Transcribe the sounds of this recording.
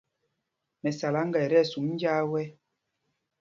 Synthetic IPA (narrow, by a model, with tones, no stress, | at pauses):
mɛ˨sa˨la˨˦ŋ̩˦ɡɛ˨ɾɛ˦˨su˨˦ŋ˦n̩˦d͡ʒaː˦wɛ˦